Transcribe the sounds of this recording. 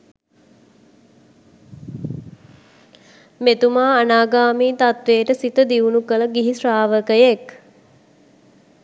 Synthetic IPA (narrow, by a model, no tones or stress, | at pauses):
met̪umaːnaːɡaːmiːt̪at̪ʋeːʈəsit̪əd̪iunukələɡiɦisraːʋəkəjek